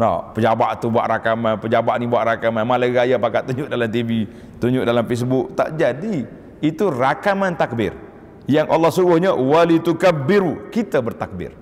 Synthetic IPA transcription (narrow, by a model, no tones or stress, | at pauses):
nɔ̰pəd͡ʒabaʔt̪ubua̰ʔɾakamanpəd͡ʒabaʔnibuaʔɾakamanmalaɡajapakat̪uɲd͡ʒʊʔ̚dalamt̪ivi | t̪uɲd͡ʒʊʔ̚dalamfes̬bʊk̚t̪a̰ʔd͡ʒadiː | t̪urakamant̪ak̚bɪ̰r | jaŋʔa̰lːɑhsuɡʊhɲawalit̪ukabɪɾukit̪abərt̪ak̚bɪ̰r